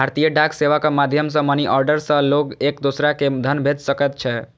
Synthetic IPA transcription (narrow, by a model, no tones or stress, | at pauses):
bʱaɾt̪ijəɖakseʋakamad̪ʱjəmsə̃məniʔɔɾɖəɾsə̃loɡekd̪osɾaked̪ʱənbʱed͡ʒ̪səkɛt̪̚t͡ʃʰɛ